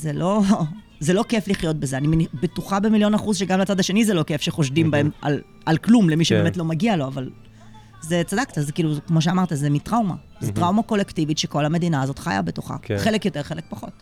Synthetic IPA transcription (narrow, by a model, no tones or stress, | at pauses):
zelo̞ | zelokefliχjo̞t̚bezeanimenibetuχabe̞miljo̞naχuzʃeɡamlat͡sad̪aʃe̞nizelo̞ke̞fʃeχo̞ʃdimbae̞ma̰l | alklumlemiʃebemet̪lo̞maɡialo̞aval | ze̞t͡sadaktazekiːlukmo̞ʃ̬eamaʁt̪azemitʁawma̰ | zetʁawmako̞lektivitʃeko̞lhame̞d̪inaːzo̞tχa̰ja̰betoχa̰χelekjo̞te̞ʁχe̞lek̚paχo̞̰t